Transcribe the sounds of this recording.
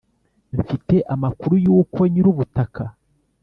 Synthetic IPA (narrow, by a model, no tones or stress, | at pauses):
ɱfite̞ʔamakuɾujuːkoɲiɾuβutakʰa